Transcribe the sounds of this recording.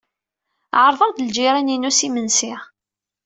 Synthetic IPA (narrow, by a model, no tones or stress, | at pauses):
ʕəɾˤðˤəʁd̪əld͡ʒiɾæninusimənsiʁ